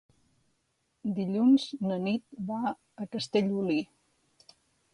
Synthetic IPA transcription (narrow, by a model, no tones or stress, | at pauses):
d̪iʎunznənit̪̚ba | əkəst̪eʎuli